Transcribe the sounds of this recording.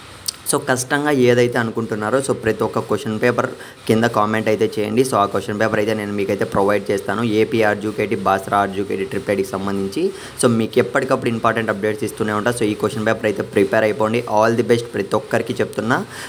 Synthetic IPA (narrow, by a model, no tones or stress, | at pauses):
so̞ːkɐʂʈɐŋɡaːeːd̪ɐjt̪e̞ːɐnukuɳʈunːaːɾuso̞ːpɾɐt̪iɔkɐkoʂɐnpeːpɐɾ | kind̪ɐkaːmeɳʈɐjt̪e̞ːt͡ʃɛːjɐ̰ɳɖisoːaːkoʂɐnpeːpɐɾɐjt̪e̞ːne̞ːnumiːkɐjt̪e̞ːpɾoʋɐjɖ̚t͡ʃeːst̪aːnueːpiːaːɾd͡ʒuːkeːʈibaːsɾaaːɾd͡ʒuːkḛːʈiʈɾipeːɖkisɐmbɐnd̪ʱiɲt͡ʃi | so̞ːmiːkɛpːɐʈikɐpːuɽuimpaːɾʈeɳʈɐp̚ɖe̞ːʈsist̪uːneːuɳʈaːɾsoːiːkoʂɐnpeːpɐɾɐjt̪e̞ːpɾipeːɾɐjpo̞ːɐɳɖiʔaːld̪ibesʈpɾɐt̪iɔkːɐɾikiːt͡ʃebu̥t̪unːaː